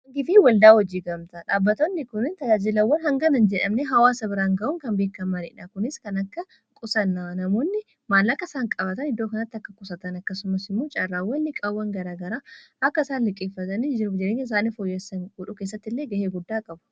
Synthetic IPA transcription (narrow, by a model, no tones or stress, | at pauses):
ɐŋɡɪfiwɐld̪aːwɔd͡ʒiːɡɐmt̪ɐᶑaːbːɐt̪oːnːɪkʊnɪnt̪ɐd͡ʒaːd͡ʒɪlɐwːɐnɦɐŋɡɐnɐnd͡ʒɛᶑɐmneɦɐwaːsɐbɪɾaːŋɡɐʔʊŋkɐnbeːkːɐmːɐnɪ̰ᶑaːkʊnɪskɐnɐkːɐ | kʼʊsɐnːanɐmoːnːɪ | maːlːɐkːɐɪsaːŋkʼɐbɐt̪ɐnɪd̪ːoːkɐnɐt̪ːɐkːɐkʼʊsɐt̪ɐnɐkːɐsʊmɐsɪmːoːt͡ʃʼɐrːaːwːɐnːɪkʼɐwːɐŋɡɐɾaːɡɐɾaːɐkːɐɪsaːnlɪkʼifːɐt̪ɐnid͡ʒɪɾd͡ʒɛᶑeːŋɡɐɪs̬aːnːɪfoːjːɛsɐnɡʊᶑʊke̞ːs̬ːɐt̪ːɪlːeːɡɐheːɡʊd̪ːaːkʼɐbʊ̥